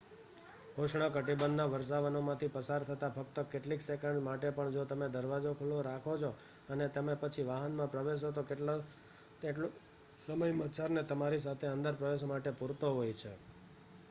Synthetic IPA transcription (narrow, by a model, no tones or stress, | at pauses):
ɦoʃɳ̃əkəʈibənːaʋəɾs̬aʋənomãt̪ʰipəsaɾt̪ʰət̪afək̚t̪əkeʈliksekəɳɖmaʈepəɳd͡ʒot̪əmed̪əɾʋad͡ʒokʰulːoɾakʰot͡ʃʰo | ənet̪əmẽpət͡ʃʰiʋaɦənmãpɾəʋeʃ̬ot̪okeʈlo | eʈlo | səməjmət̪t͡ʃʰaɾnet̪əmaɾis̬at̪ʰeə̃nd̪əɾpɾəʋeʃ̬omaʈepuɾt̪oɦojt͡ʃʰḛ